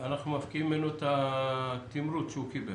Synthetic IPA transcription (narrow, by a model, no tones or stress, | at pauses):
anaχnumafkiimːenuet̪a | t̪imɾut̪ʃeukibe